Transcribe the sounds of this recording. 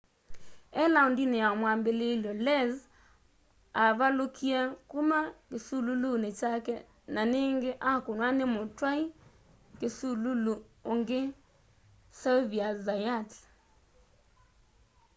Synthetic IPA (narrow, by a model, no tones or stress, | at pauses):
ɛlaundineaɔmwambelelɔlɛz | aβalokʰiakumakesululunet͡ʃakɛ | naneŋɡeʔakonwanɪmotwai | kesululuoŋɡe | sɛlviazajat